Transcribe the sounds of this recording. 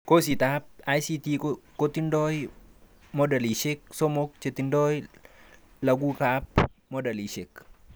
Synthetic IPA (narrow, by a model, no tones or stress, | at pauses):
kosit̪ap̚ajsit̪ikot̪indɔj | mɔdaliʃek̚somok̚t͡ʃet̪indɔj | lɐɡukap̚ | mɔdaliʃek